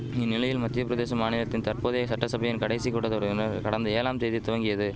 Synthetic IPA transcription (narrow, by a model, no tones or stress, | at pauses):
ɪnːɪlɐjɪlmɐt̪ːɪjɐpːɯɾɐðeːsɐmaːnɪlɐt̪ːɪnt̪ɐɾpoːðeːɣɐsɐʈːɐsɐbɐjɪnkɐɽɐɪsikɔɽɐðɔɾnɐɾkɐɽɐnd̪ɐeːlaːmseːðit̪ʊʋɐŋɡɪjɐðɯ